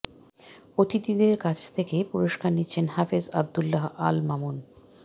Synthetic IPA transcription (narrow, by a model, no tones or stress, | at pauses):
ot̪it̪id̪eɾkat͡ɕʰt̪ʰekepuɾoʃkaɾnitːɕʰenɦafeza̰b̚d̪ulːaɦa̰lmamun